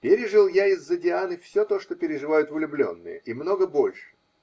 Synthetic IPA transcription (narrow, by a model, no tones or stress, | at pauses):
pʲeɾʲɪʐɨlˠjaɪzːədʲɪanɨfsʲot̪o̞ʂt̪o̞pʲɪɾʲɪʐɨvajʊt̪vʊlʲʊblʲo̞̰nːɨ̰jə̰imno̞ɡəbo̞lʲʂɨ̥